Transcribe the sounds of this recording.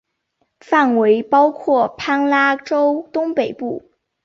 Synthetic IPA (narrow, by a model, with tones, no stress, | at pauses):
fa˥˩nwe˧˥ɪpɑ˥ʊkʰwɔ˥˩pʰa˥nla˥ʈ͡ʂo˥ʊt̪ʊ˥ŋpe˨˩ɪpu˥˩